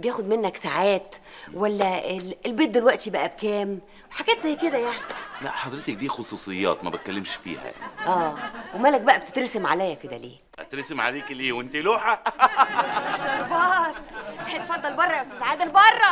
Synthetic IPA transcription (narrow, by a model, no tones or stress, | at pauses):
bejæːxod̪menːæksaʕaːt̪wælːæeelbeːt̪̚d̪elwæʔt̪ibæʔæb̚kæːm | weħaɡæːt̪zæjːked̪æjaʕnilæ̰ʔħɑd̪ɾet̪ek̚d̪iːxosˤuːsˤejːɑ̰ːt̪mæbæt̪̚kælːemʃfḭːhæ̰ja̰niʔæːwemæːlæk̚bæʔæbet̪e̥t̪ɾesemʕa̰læjːæked̪æ̰lḛː | æt̪ɾesemʕa̰leːkleːwent̪iloːħæ | ʃɑɾˤbɑːt̪waħet̪fɑd̪ˤːɑlbɑrˤːɑjawsæsʕaːd̪elbɑrˤːɑ